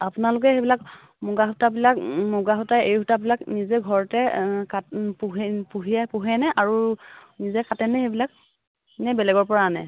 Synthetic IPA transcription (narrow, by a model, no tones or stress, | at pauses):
apʊnalʊk̬ɛxebilak | moɡaɦutabilakmoɡaɦutaejhutabilaknizɛɡʱɔɹɔtɛkapuɦɛpuɦijɛpuɦɛnɛʔaɹunizɛkatɛnɛxebilak̚ | nɛbɛlɛɡɔɹpɔɹanɛ̰